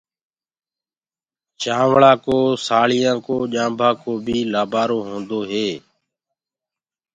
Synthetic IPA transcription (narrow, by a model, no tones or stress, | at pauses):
t͡ʃãːʋɭãːkoːsaːɭɪjãːkoːʄãːmbʱãːkoːbʱiːlaːbaːɾoːɦõːnd̪oːɦeː